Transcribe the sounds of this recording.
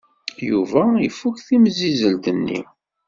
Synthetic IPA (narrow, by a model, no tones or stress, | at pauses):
juvæifukθimzizəld̪ənːḭ